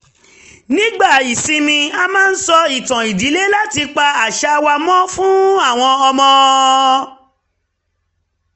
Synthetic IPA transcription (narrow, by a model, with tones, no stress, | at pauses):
nĩ˦ɡ͡ba˦˨i˨sĩ˧mĩ˧a˧mãː˦˧n̩˦sɔ˧i˨tã˨i˨di˨˦le˦la˦ti˧k͡pa˧a˨ʃa˧wa˧mɔ̃˦fũ˦a˦˨w̃ɔ̃˧ɔ˧mɔ̃˧